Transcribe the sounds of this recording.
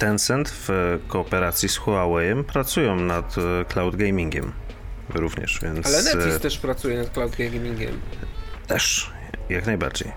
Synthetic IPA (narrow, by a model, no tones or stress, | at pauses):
t̪ɛnsɛnt̪vkɔːpɛɾat̪sʲjisxuawɛjɛmpɾat̪sujɔ̃nat̪klawd̪ɡɛjmʲiŋɡʲɛ̰m | ɾuvɲɛ̰ʂvʲjɛ̰nt̪asɛɛit̪ɛʂpɾat̪sujɛnat̪klawd̪ɡɛjmʲmʲiŋɡʲɛ̰mt̪ɛʂ | jaknajba̰ɾd͡ʑḛj